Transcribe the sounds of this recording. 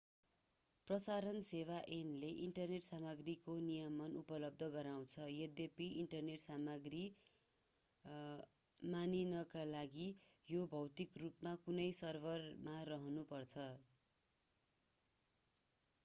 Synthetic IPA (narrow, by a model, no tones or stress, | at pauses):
prʌsaɾʌnsewaʔenleʔiɳʈʌrneʈsamʌɡrikonijʌmʌnupʌlʌb̚d̪ʱʌɡʌɾaw̃t͡sʰʌjed̪epiiɳʈʌrneʈsamʌɡri | maninʌkalaɡijobʱʌwt̪ikrupmakunʌjsʌrbʱʌrmarʌɦʌnupʌrt͡sʰʌ